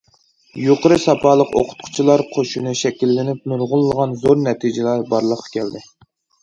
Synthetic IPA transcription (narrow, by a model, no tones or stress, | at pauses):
joqəɾɨsɑpʰɑːlˠəqo̰qʰʊ̥t̪̚qʰʊ̥t͡ʃʰilˠɑɾqʰoʃunɨʃɛkʲilːɪnɪp̚muɾʁʊlˠːəʁɑnzoɾnɛt̪ʰid͡ʒɪlæɾbɑɾlˠəqʰːɑ̥kʲʰɛld̪ɪ